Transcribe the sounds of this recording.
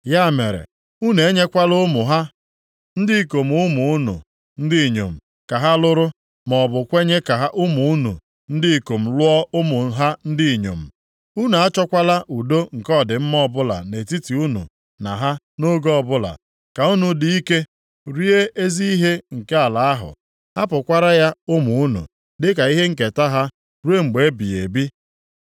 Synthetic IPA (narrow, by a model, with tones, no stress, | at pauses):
ja˦˨me˨ɾḛ˨ | u˦ne˨˦ɲe˦kʷa˦lʊ˦mʊ˨ɦa˦ | n̩˦dɪ˦˨ko˨m˨ʊ˦mu˨u˦nṵ˨ | n̩˦dɪ˦˨ɲo̰˨m̩˨ | ka˨ɦa˦lʊ˦ɾʊ˦ | mɔ˨bʊ˨kʷe˦ɲe˦ka˨ɦa˦ʔʊ˦mu˨u˦nṵ˨ | n̩˦dɪ˦i˨ko˨m̩˨lʊ˦ɔ˦ʊ˦mʊ˨ɦa˦n̩˦dɪ˦i˨ɲo̰˨m̩˨ | u˦nu˨a˦t͡ʃɔ˦kʷa˦la˦ʔu˨do˦ŋ̩˨kɔ˦˨dɪ˨m̩˦mɔ˦bʊ˦la̰˨ne˨ti˦ti˨u˦nṵ˨ | na˨ɦa˦ | no˦ɡɔ˦ɔ˨bʊ˦la̰˨ | ka˨u˦nu˨dɪ˨i˦ke˦ | ɾi˦e˦e˦zi˦i˦ɦe˦ŋ̩˨ke˦a˨la˨a˦ɦʊ̰˨ | ha˦pʊ˨kʷa˦ɾa˦ja˦ʊ˦mu˨u˦nṵ˨ | dɪ˦ka˨i˦ɦe˦ŋ̩˨k̬e˨ta˦ɦa˦ | ɾu˦e˦ŋ͡m̩˨ɡ͡be˨˦bi˨ḛ˨bi˦